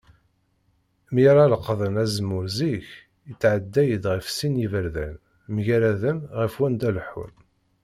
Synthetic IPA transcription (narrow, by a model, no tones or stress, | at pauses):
miɾˤɑləqːðˤənæzəmːʊɾziç | it͡sːʕəd̪ːæjəd̪ʁəfsinjivəɾðæ̰n | mʝæɾæðənʁəfwænd̪ælħṵn